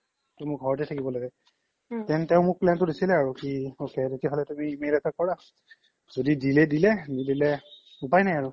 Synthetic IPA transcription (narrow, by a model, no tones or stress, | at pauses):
tɛmʊɡʱɔɹɔt̬ɛtʰakibɔlaɡɛ | tɛntɛʊ̃mʊk̚plɛntʊdesilɛaɹukiokɛtetijaɦɔlɛtumiːmelɛtʰakɔɹa | zodidilɛdilɛdidilɛ | upajnajaɹu